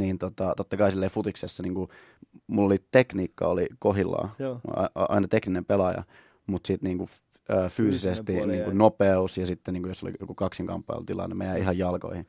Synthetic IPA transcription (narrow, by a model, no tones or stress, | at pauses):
niːnt̪ot̪ɑt̪ot̪ːɑkɑisilːeifut̪iksesːɑniːŋku | mulːolit̪ekniːkːɑ̰olikoɦilːɑ̰ːɑ̰ɑ̰inɑt̪ekninempelɑjɑ̰ | mut̪sit̪niːŋku | əːfyːsisest̪iniːŋkunnopeusjɑsit̪ːeniːŋkujoso̰lḭjo̰kukɑksiŋkɑ̰mpːɑḭlt̪ilɑ̰nːemejæihɑjjɑlko̰ihi